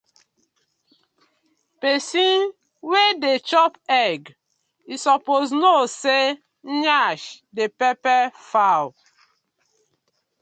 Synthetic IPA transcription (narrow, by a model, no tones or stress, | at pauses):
pesin | wedet͡ʃɔpɛɡ | isɔpoznose | ɲaʃdepepɛfaw